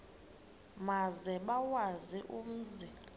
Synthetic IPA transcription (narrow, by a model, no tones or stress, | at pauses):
mazɛɓawaziʔum̩zi